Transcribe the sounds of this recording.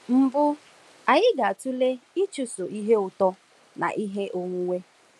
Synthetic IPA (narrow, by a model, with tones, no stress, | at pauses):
m̩˨bʊ˦ | a˨ɲɪ˦ɡa˨tu˦le˦i˦t͡ʃu˨so˨ʔi˦ɦe˦ʊ˨tɔ˦ | na̰˨ʔi˦ɦe˦ʔo˦ŋʷu˦ŋʷe˦